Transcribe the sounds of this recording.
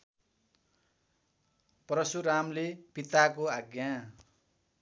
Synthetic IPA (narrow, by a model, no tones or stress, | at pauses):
prʌsuɾamlepit̪akoaɡjã